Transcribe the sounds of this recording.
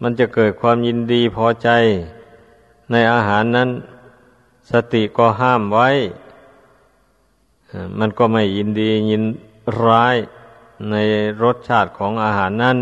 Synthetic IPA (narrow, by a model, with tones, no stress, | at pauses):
ma˧˥˨nt͡ɕa˧˩kɤː˨˩t̪̚kʰwaː˧˥˨mji˧˥˨ndiː˧pʰɔː˧˨t͡ɕa˧j | na˧˥˩jʔaː˧ɦaː˨˦nːa˧˥˨n | sa˧t̪i˧˨ʔkɔː˧˩ɦaː˧˥˨mwa˧˥˨j | ʔma˧˥˨nkɔː˧˩ma˧˩jːi˧˥˨ndiː˧ɲi˧˥˨n | ɾaː˧˥˨j | na˧˥˩jɾo˧˥˦t̪̚t͡ɕʰaː˧˩t̪̚kʰɔː˨˦ŋʔaː˧ɦaː˨˦nːa˧˥˨n